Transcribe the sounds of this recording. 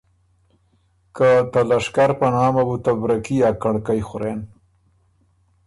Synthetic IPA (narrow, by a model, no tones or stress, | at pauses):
kat̪alaʂkaɾpənɑːmabut̪abɾakiakaɽkajxʊɾen